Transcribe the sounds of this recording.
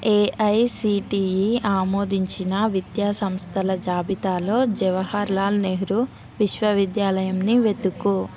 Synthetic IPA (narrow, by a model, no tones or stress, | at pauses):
eːʔɐjsiːʈiːiaːmoːd̪ʱiɲt͡ʃinɐʋid̪jaːsɐmst̪ʰɐlɐd͡ʒaːbit̪aːlo̞ːd͡ʒɛʋɐhaːɾlaːlneːɦiɾu | ʋiʃʋɐʋid̪jaːlɐjɐmniʋe̞t̪uku